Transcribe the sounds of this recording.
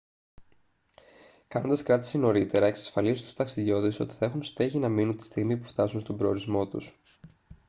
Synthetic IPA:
kɐno̞nd̪ɐskɾɐt̪i̥sino̞ɾit̪e̞ɾɐe̞ksɐ̥sfɐlizut̪u̥st̪ɐksiðjo̞t̪so̞t̪i̥θɐe̞xunsint̪e̞çinɐminunt̪i̥st̪iɣmipuft̪ɐsunst̪o̞bɾo̞oɾizmo̞t̪ṵs

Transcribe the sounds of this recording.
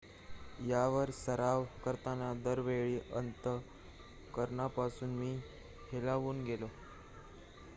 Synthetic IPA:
jaʋəɾsəɾaʋkəɾt̪anad̪əɾʋeɭiːʔənt̪ə | kəɾɳapasuːnmiː | helaʋuːnɡelo

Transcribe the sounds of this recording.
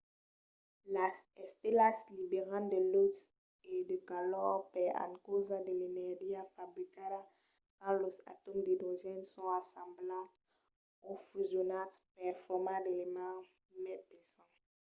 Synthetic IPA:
laɛst̪elaslibeʁãnd̪əlos | edəkalɔʁpɛã̰nkozadelenɛʁdiafabʁikada | kãlosa̰tomd̪ed̪oʒɛnsɔ̃asãmblab | ofyzjonaspɛfɔmãdelema | mɛpesã

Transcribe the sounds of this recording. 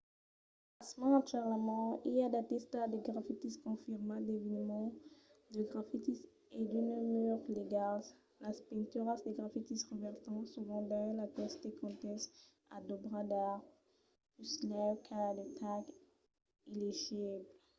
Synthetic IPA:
asmãʃaʁlamɑ̃iad̪at̪ɛst̪ad̪eɡʁafit̪iskɔ̃fiʁmad̪evinmɑ̃d̪əɡʁafit̪is | ed̪ynømyʁleɡal | laspɛ̃nt̪yʁasd̪eɡʁafit̪isʁəvɛʁt̪ɑ̃suvɑ̃d̪ɛ̃lapɛst̪ekɔ̃t̪ɛs | ad̪obʁad̪aʁ | yslɛkʰad̪et̪ʰak | ileʒibl

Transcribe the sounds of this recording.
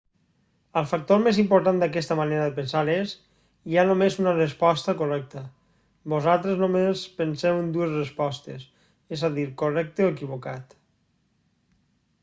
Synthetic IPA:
əlˠfak̚t̪oɾmezimpoɾt̪and̪akɛst̪əmaneɾəðəpənsales | ianomezunərəspɔst̪əkorɛk̚t̪ə | bozalˠt̪ɾeznomespənsɛwend̪uezrəspɔst̪es | ezaðiɾkorɛk̚t̪eoekiβokat̪

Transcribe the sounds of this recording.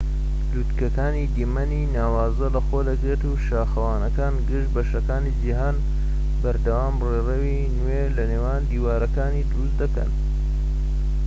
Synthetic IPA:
luːt̪kɐkaːniːd̪imɐninaːwaːzɐlɐxoːd̪ɐɡɾet̪uʃaːxɐwaːnɐkaːnɡɨʃbɐʃɐkaːnid͡ʒiɦaːn | bɐɾd̪ɐwaːmrerɐwi | nwelɐneːwaːnd̪iːwaːɾɐkaːniːd̪ʊɾusd̪ɐkɐ̰n

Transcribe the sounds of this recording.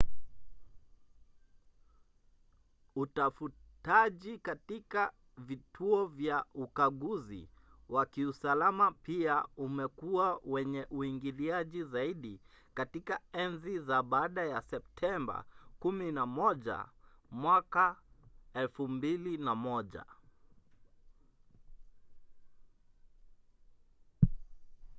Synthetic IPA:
utafutaʄikatika | vitʰuɔvjaukaɠuzḭwakiusalamapiaumɛkuawɛɲɛʔuiŋɡiliaʄizaiɗi | katikaɛnzizaɓaːɗajasɛp̚tʰɛmba̰kuminamɔʄa̰mwaka | ɛlfumbilinamɔʄa̰

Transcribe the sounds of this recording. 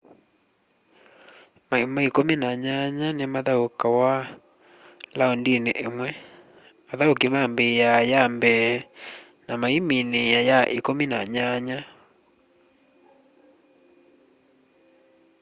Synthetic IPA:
mamaikominaɲaɲanemaðaokawa | laondinḛʔemwɛ | aðaokimambejajambɛ | namaiminejajaʔikomina̰ɲaɲa

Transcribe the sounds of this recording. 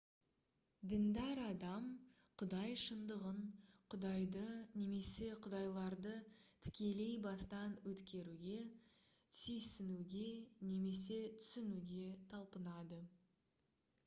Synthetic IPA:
d̪ɪnd̪æɾɑd̪ɑmqʰʊd̪ɑjʃənd̪əʁəɴqʰʊd̪ɑjd̪əne̞me̞se̞qʰʊd̪ɑjlˠɑɾd̪ət̪ʰɪ̥kʲe̞le̞jbɑst̪ɑnwɵt̪kʲe̞ɾuɡʲe̞ | sʏjsɪnuɡʲe̞ne̞me̞se̞t̪ʰʏ̥sɪnuɡʲe̞t̪ʰɑlˠpənɑd̪ə

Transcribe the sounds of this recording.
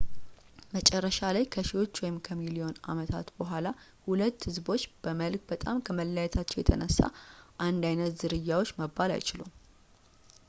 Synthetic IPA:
mət͡ʃʼɛrːəʃalajkʰəʃiwo̞t͡ʃːwɔjɪmkʰəmilio̞na̰mət̪ʰa̰t̪bəɦʷala | hulət̪ːhɨzbo̞t͡ʃːb̥əməlkbət̪ʼamkʰəməlːajɛt̪ʰat͡ʃːɛwjɛ̰t̪ʰə̰nəsːa̰ʔand̪ajnət̪zɨɾɨjːawo̞t͡ʃːməbːala̰jɪt͡ʃɪlum

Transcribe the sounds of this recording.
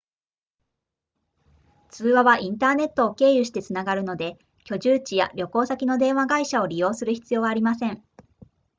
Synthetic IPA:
t͡sɨːβaβaʔĩnt̪aːne̞t̪ːo̞ːke̞ːjɯ̟ɕi̥t̪e̞t͡sɨnaɡaɾɯ̟no̞d̪e̞ | kʲo̞ʑɨːt͡ɕija̰ɾʲo̞ko̞ːsakʲino̞d̪ẽ̞ɰ̃βaɡaiɕao̞ɾʲijo̞ːsɨɾɯ̟çi̥t͡sɨjo̞ːβaːɾʲimasẽ̞ŋ

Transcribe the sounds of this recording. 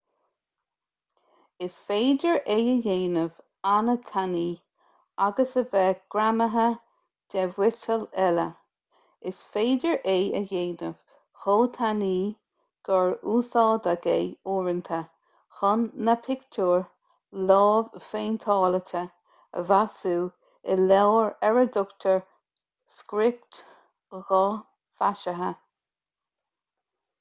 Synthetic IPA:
ɪsfeːdəɹʔeːəjeːnəv̥ | anət̪ʰaniː | aɡəsəvɛːɡ̥ɾaməɦə | d̥ɛvwɪtʰəlɛlə̰ | ɪsfeːdəɹʔeːəjeːnəv̥ | xoːt̪ʰaniː | ɡ̥ɔɹuːsɑːd̪əɡejuːɹənt̪ʰə | xɔnːəpʰɪktʰuːɹ | lɑːvfeːnt̪ʰɑːlətʰə | ə̰vasuː | ɪlɛwɹɛɹəd̪ʊkt̪ʰəɹ | skɾɪp̚t̪ | ɣɑ | faʃəɦə

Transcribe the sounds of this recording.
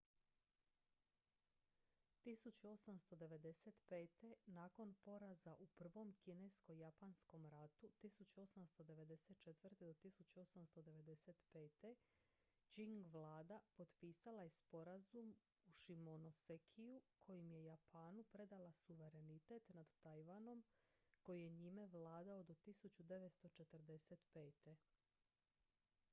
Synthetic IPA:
t̪isut͡ɕuo̞samst̪o̞d̪e̞ʋe̞d̪e̞set̪pe̞ːt̪e̞naːko̞npo̞ɾazaʔupr̩ʋo̞mkinesko̞japansko̞mɾat̪ut̪isut͡ɕuo̞samst̪o̞d̪e̞ʋe̞d̪e̞se̞t̪̚t͡ʃet̪ʋrt̪ed̪o̞t̪isut͡ɕuo̞samst̪o̞d̪e̞ʋe̞d̪e̞se̞t̪pe̞ːt̪e̞ | d͡ʑiŋɡʋlˠaːd̪apo̞d̪piːsalajespo̞ɾazum | uʃimonosekʰijukʰo̞jimje̞japʰaːnupɾe̞d̪alasuʋe̞ɾe̞nit̪e̞t̪nad̪t̪ajʋano̞mko̞jijeɲime̞ʋlˠaːd̪aod̪ot̪isut͡ɕud̪e̞ʋet̪st̪o̞t͡ʃe̞t̪rɾd̪e̞set̪pe̞ːt̪e̞

